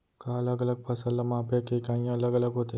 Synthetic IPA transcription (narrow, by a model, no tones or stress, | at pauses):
kaɐləɡɐləɡ̚pʰɐsəlːamãːpekekãːjãɐləɡɐləɡɦoːt̪i